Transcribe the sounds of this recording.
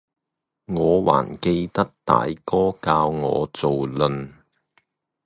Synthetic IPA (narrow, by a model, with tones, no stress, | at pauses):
ŋɔː˨˧wa̰ː˨˩nke˧jt̪ɐ˥k̚t̪a̰ː˨jkɔː˥kaː˧wŋɔ̰ː˨˧t͡so˨wlɵ˨n